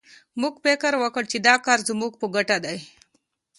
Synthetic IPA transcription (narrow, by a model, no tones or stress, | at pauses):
muɡpekəɾwəkəɽt͡ʃid̪aːkaɾzumuɡ̚puɡəʈad̪aj